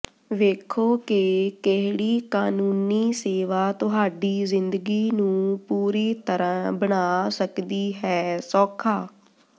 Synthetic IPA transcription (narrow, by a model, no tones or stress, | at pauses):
ʋeːkʰoːkɪkeɦɽiːkaːnuːniːseːʋaːt̪ʊɦaːɖiːzɪnd̪ɡiːnũːpuːɾiːt̪əɾãbəɳ̃aːsəkd̪iːɦɛːsɔːkʰaː